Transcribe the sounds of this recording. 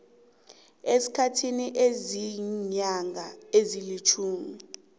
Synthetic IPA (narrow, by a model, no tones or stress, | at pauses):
esi̥kʰatʰiniʔeziɲaŋʱaezilit͡ʃʰuːmi